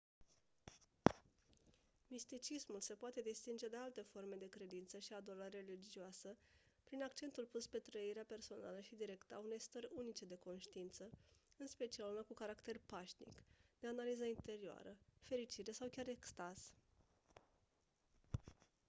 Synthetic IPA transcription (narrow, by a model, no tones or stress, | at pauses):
mist̪it͡ʃismulse̞poat̪e̞d̪ist̪ind͡ʒe̞d̪e̞alt̪e̞fo̞rme̞d̪e̞kɾe̞d̪int̪səʃiad̪oləɾelid͡ʒioasəpɾinakt͡ʃe̞nt̪ulpuspe̞t̪ɾəiɾeape̞rso̞na̰ləʃid̪iɾe̞kt̪əa̰une̞jst̪əɾʲunit͡ʃe̞d̪e̞ko̞nʃt̪iint̪səɨnspe̞t͡ʃialunakukaɾakt̪e̞rpaʃnḭkd̪̥e̞analizəint̪e̞ɾioa̰ɾəfe̞ɾit͡ʃiɾe̞sawkʲaɾe̞kst̪az̥